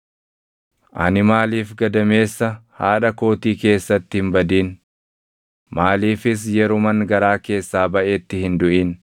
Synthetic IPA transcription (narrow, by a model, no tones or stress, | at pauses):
ʔɐ̰nɪmaːliːfɡɐd̪ɐme̞ːsːɐhaːᶑɐko̞ːt̪iːke̞ːsːɐt̪ːɪhɪmbɐd̪iːn | maːliːfɪs̬jɛɾʊmɐŋɡɐɾaːke̞ːsːaːbɐʔe̞ːt̪ːɪhɪnd̪ʊʔiːn